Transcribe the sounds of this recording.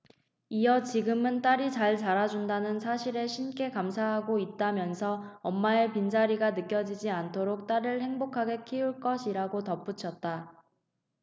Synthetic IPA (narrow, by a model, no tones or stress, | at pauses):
ijʌt͡ɕiɡɯmɯnt͈aɾit͡ɕaɭt͡ɕaɾad͡ʑundanɯnsʰaɕʰiɾe̞ɕʰink͈e̞kamsʰaɦaɡoit̚t͈amjʌnsʰʌʌmːaepind͡ʑaɾiɡanɯk͈jʌd͡ʑid͡ʑiantʰoɾok̚t͈aɾɯɭhe̞ŋbokʰaɡe̞kʰiuɭk͈ʌɕʰiɾaɡotʌp͈ut͡ɕʰʌt̚t͈a